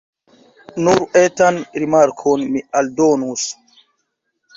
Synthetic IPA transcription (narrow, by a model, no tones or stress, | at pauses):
nuɾʔɛtanɾimaɾkʰɔnmialdonus